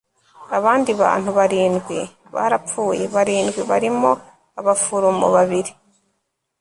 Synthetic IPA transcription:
aβaːndiβa̰ːn̥huβaɾiːnɡwi | βa̰ɾap͡fuːje̞βaɾiːnɡwiβaɾimo̞ | aβafuɾomo̰βaβiɾi

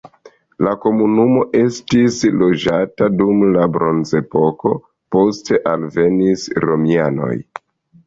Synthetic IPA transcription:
lako̞munumo̞ʔe̞stislo̞d͡ʒatadumlabɾo̞nze̞po̞ko̞ | po̞ste̞ʔalve̞nisɾo̞miano̞̰j

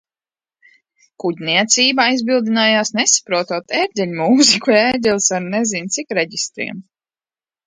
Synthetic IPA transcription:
kuɟʲniɛt̪siːbaajzbilˠd̪inaːjaːsnesḁpɾuɔt̪uɔt̪ɛɾd̪ʲɛlʲmuːzikuɛɾd̪ʲɛlsaɾnɛzint̪sikɾɛɟist̪ɾḭɛm

